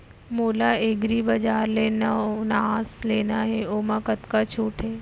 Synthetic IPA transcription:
moːlaeːɡɾibɐd͡ʒaːɾleːnaonaːzleːnaɦɛoːmãkɐt̪kat͡ʃʰuːʈɦɛː

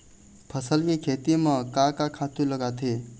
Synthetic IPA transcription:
pʰəsəlkikʰeːt̪imə̃kakakʰaːt̪ũləɡat̪ʰe

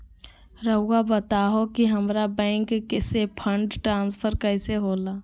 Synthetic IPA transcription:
ɾəʊːabət̪aːɦokiɦəmɾabɛ̃ːŋkːesepʰəɳɖʈɾãːnspʰəɾkəɪseɦoːlaː

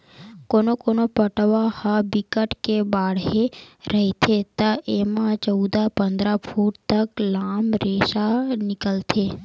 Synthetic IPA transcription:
konokonopəʈʋahabɪkəʈkebaːɽɦeɾəɦet̪ʰet̪əʔemãt͡ʃəʊd̪apənd̪ɾapʰuʈt̪əklamɾeʃanɪkəlt̪ʰe

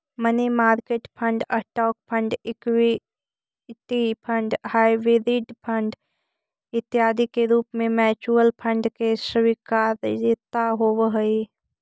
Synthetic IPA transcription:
mənimaːɾkeːʈpʰəɳɖɐʈɔːk̚pʰə̃ɳɖɪkwi | t̪ipʰə̃ɳɖhaːiʋɪɾɪʈpʰəɳɖ | ɪt̪ɪjaːd̪ʱikeɾuːpmẽmɛːt͡ʃuːəlpʰə̃ɳɖkesəʋikaːɾdɪt̪aɦoːʋɦəi

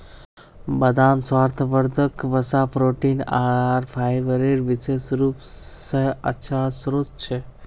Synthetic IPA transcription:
bəd̪amsʋaːɾt̪ʰʋəɾd̪ʱəkʋəsapʰɾoːʈinaɾpʰajʋəɾeɾʋɪsesɾuːpseətːʃʰasɾot̪̚t͡ʃʰe

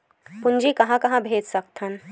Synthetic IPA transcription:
pʊɲd͡ʒikɐɦãkɐɦãbʱeːd͡ʒsɐk̚t̪ʰɦən

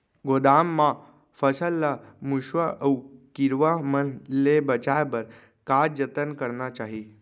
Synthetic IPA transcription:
ɡod̪amːa | fəsəlːamuɕʋəʔəwkiɾʋamənlebət͡ɕajbəɾ | kad͡ʑət̪ənkəɾnat͡ɕaɦi

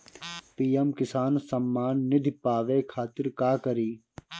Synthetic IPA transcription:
piːemkɪsaːnsɐmːaːnːɪd̪ʱipaːʋeːkʰaːt̪ɪɾkaːkɐɾiː

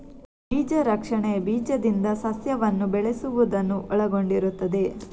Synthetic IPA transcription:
biːd͡ʒɐɾɐkʂɐɳebiːd͡ʒɐd̪ind̪ɐsɐsjɐʋɐnːubɛɭesuʋud̪ɐnːuʔɔɭɐɡo̞ɳɖiɾut̪ːɐd̪e̞

